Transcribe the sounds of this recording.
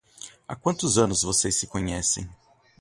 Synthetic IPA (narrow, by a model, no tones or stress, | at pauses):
a̰kwɐ̃nt̪ʊzɐ̃nʊzvosejsːɪkõɲɛsḛ̃j̃